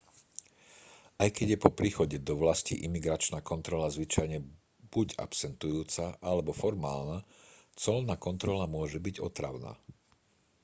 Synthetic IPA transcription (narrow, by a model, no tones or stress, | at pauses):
ʔajkɛɟjɛpɔpɾiːxɔɟɛd̪ɔʋlascḭʔimiɡɾat͡ʃnaːkɔnt̪ɾɔlazʋit͡ʃajɲɛ | b̥uɟa̰psɛnt̪ujuːt͡saʔalɛbɔfɔɾmaːlnat͡sɔlnaːkɔnt̪ɾɔlamʊɔʒɛbiɟɔ̰t̪ɾa̰ʊna̰ː